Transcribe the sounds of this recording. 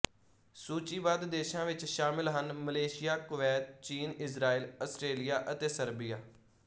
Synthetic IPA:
suːt͡ʃiːbaːd̪d̪eːʃãːʋɪt͡ʃʃaːmɪlɦənməleːʃɪjaːkʊʋɛːt̪̚t͡ʃiːnɪsɾaːiːləsʈɾeːlɪjaːʔət̪eːsəɾbijaː

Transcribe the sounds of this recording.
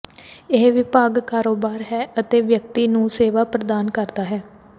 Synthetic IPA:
ɪɦʋɪpaːɡkaːɾoːbaːɾɦɛːʔət̪eːʋjək̚t̪iːnũːseːʋaːpɾəd̪aːnkəɾd̪aːɦɛː

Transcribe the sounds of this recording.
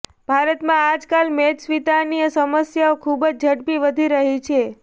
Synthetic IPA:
b̥ʱaɾət̪mãad͡ʒkalmed͡ʒsʋit̪aniəsəməsjaokʰubd͡ʒd͡ʒʱəɽpiʋəd̪ʱiɾəɦit͡ʃʰe

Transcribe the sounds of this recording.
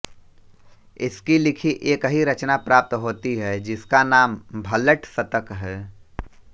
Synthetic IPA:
ɪskilɪkʰiʔeːkɦiɾɐt͡ʃnapɾaːp̚t̪ɦoːt̪iɦɛd͡ʒɪskanaːmbʱɐləʈsɐt̪əkɦɛː

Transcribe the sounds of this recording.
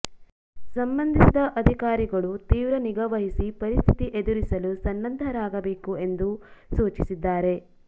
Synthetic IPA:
sɐmbɐnd̪ʱisid̪ɐʔɐd̪ʱikaːɾiɡɐɭut̪iːʋɾɐniɡɐʋɐɦisipɐɾist̪ʰit̪iʔed̪uɾisɐlusɐnːɐnd̪ʱɐɾaːɡɐbeːkue̞nd̪usuːt͡ʃisid̪ːaːɾe̞

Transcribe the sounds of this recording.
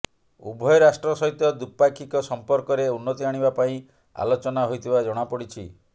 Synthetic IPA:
ṵbʱɔjɔɾasʈɾɔsɔɦit̪ɔd̪upajkʰikɔsɔmpɔɾkɔɾeunːɔt̪iaɽ̃iβapaĩ | a̰lot͡ʃɔnaɦojt̪ʰibad͡ʒɔɽ̃apɔɽit͡ʃʰi

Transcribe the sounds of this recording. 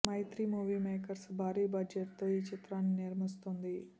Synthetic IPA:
mɐjt̪ɾimuːʋiːmeːkɐɾsbʱaːɾiːbʱad͡ʒeʈt̪oːiːt͡ʃit̪ɾaːnːiniɾmist̪und̪i

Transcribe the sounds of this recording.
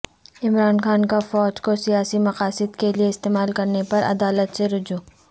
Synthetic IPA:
ɪmɾaːnxaːnkafɔːd͡ʒkosijaːsimɐqaːsɪd̪kelieɪst̪eːmaːlkɐɾnepɐɾʔɐ̰d̪aːlət̪seɾʊd͡ʒuː

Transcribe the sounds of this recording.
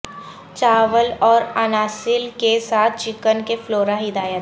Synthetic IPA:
t͡ʃaːʋəlɔːɾənaːsɪlkesaːt̪ʰt͡ʃɪkənkefloːɾaɦɪd̪aːjət̪

